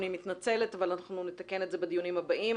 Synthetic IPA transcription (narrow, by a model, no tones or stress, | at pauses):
nimit̪nat͡se̞le̞t̪avalanaχnunet̪ake̞netzebed̪ijunimhabaʔim